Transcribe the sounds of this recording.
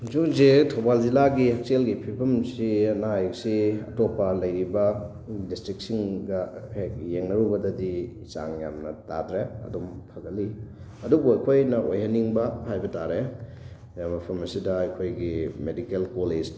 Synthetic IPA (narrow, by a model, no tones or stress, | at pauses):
zukzetʰobald͡ʒilaɡihek̚selɡipʰipʰɐmsiɐnajksiɐ̰topːɐlɐjɾibɐ | distɾik̚siŋɡɐhekjeŋnɐɾubɐdɐdi | sa̰ŋja̰mnɐta̰dɾeɐ̰dompʰɐɡɐli | ɐdubuɐjkʰojnɐʔojɦɐnːiŋbɐhajbɐtaɾe | jamɐpʰɐmɐsidɐɐjkʰojɡimedikelkoled͡ʒ